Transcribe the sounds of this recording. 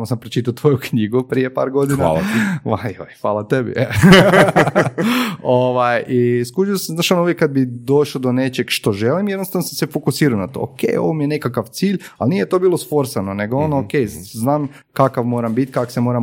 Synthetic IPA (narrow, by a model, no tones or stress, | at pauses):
mosampɾot͡ʃit̪at̪ʋo̞jukɲiɡupɾijepa̰ːɾɡo̞d̪inaʋao̰jfʋaːlˠat̪ebḭe | oʋajiskud͡ʒiosaznaːʃanouʋjekːad̪̚bid̪o̞ʃod̪one̞t͡ʃeɡʃt̪o̞ʒelimjed̪nost̪aʋnosasefokusiːɾanat̪o̰ːokḛjo̞̰ʋomijene̞kakaʋt̪siːʎa̰lnijet̪o̞biːlˠosfo̞ɾsanone̞ɡoonookejznaːm | kakaʋmo̞ːɾambit̪ʲkako̥semo̞ɾam